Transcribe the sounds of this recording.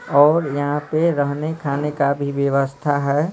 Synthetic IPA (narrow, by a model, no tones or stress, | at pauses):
ɔːɾjɐɦãpeɾəɦnekʰaːnekabʱiʋjəʋəst̪ʰaɦɛː